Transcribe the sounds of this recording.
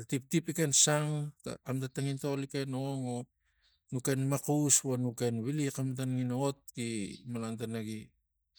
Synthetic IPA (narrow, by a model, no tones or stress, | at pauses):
atip̚tipikensaŋta̰amtataŋintolikenoŋo | nuke̞nmakusβonuke̞nβilikamat̬anŋinoot̚kimalantanaɡi